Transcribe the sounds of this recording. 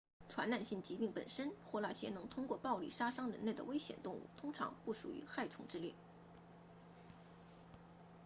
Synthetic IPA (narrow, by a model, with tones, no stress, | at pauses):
ʈ͡ʂʰwa̰˧˥nla˥˧nɕi˥˩ŋt͡ɕi˧˥pi˥˩ŋpə̰˨˩nʂə˥nxwɔ˥˧˩la˥˩ɕjɛ˧˥nɤ˧˥ŋt̪ʰʊ˥ŋkwɔ˥˧pɑ˥˧ʊlḭ˥˩ʂa˥ʂɑ˥ŋɻə̰˧˥nle˥˩ə˩we˥ɪɕjɛ̰˨˩nt̪ʊ˥˧ŋṵ˥˩t̪ʰʊ˥ŋʈ͡ʂʰɑ̰˧˥ŋpu˥˩ʂṵ˨˩y̰˧˥xa˥˩ɪʈ͡ʂʰʊ˧˥ŋʈ͡ʂɻ̩˥˧ljɛ̰˥˩